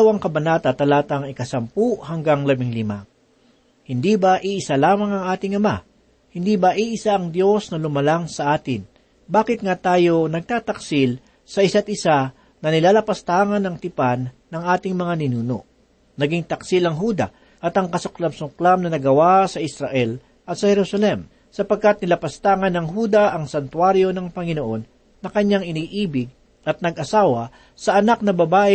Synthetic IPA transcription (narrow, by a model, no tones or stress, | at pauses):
wɐŋkɐbɐnaːt̪ɐt̪ɐlaːt̪ɐŋɪkɐsɐmpuʔhɐŋɡaŋlɐbɪŋlɪma | hɪnd̪ibɐʔiʔɪsalaːmɐŋɐŋʔaːt̪ɪŋʔɐma | hɪnd̪iːbɐʔiʔɪsaʔɐŋd̪jo̞snɐlʊmɐlaŋsɐʔaːt̪ɪn | baːkɪt̪̚ŋat̪aːjo̞nɐɡ̚t̪aːt̪ɐksɪl | sɐʔɪsat̪ʔɪsa | nɐnɪlaːlɐpɐst̪aŋɐnɐŋt̪ɪpanːɐŋʔaːt̪ɪŋmɐŋanɪnuːno̰ʔ | nɐɡɪŋt̪ɐksilɐŋɦuːd̪ɐ̰ | ʔɐt̪ɐŋkɐsʊklɐmsʊklamnɐnɐɡɐwasɐʔɪsɾɐʔɛl | ʔɐt̪sɐhɛɾusɐlɛm | sɐpɐɡ̚kat̪̚nɪlɐpɐst̪aːŋɐnɐŋɦuːd̪ɐʔɐŋsɐnt̪waɾjo̞nɐŋpɐŋɪnoʔo̞nː | ɐkɐɲaŋɪniːʔiːbɪɡ̚ | ʔɐt̪̚nɐɡʔɐsaːwɐ | sɐʔɐnak̚nɐbɐbaːʔɪ